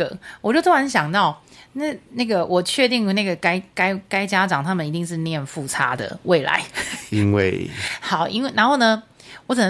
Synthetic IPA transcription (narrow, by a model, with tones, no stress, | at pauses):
ə˨˩wɔ˨˩t͡ɕjo˥˩ʊt̪ʰo˥a˧˦nɕjɑ˨˩ŋt̪ɑ˥˩ʊna˥˩na˥˩ɡə˩wʔɔ˨˩t͡ɕʰɥɛ˥˧t̪i˥˩ŋə˩na˥˩ɡə˩ka˥ɪka˥ɪka˥ɪt͡ɕja˥ʈ͡ʂɑ˨˩ŋt̪ʰa˥mə˨ni˧t̪i˥˧ŋʂ̬ɻ̩˥˧njɛ˥˧nfu˥˨t͡sʰa̰˥d̪ə̰˨˩wʔe˥˩ɪla̰˧˦ɪi˦˥ŋwḛ˥˩ɪxɑ˨˩ʊi˥nwe˥˩ɪna˧˥xo˥˩ʊnə˦ | wɔ˧˦˥t͡sɨ˨˩nə˧